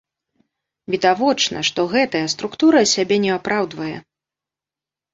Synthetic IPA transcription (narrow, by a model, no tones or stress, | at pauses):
vʲid̪avɔt͡ʂnɐ̰ʂt̪ɔɣɛt̪ɐjɐst̪ɾukt̪uɾɐsʲabʲɛnʲɛapɾʔawd̪vɐjɛ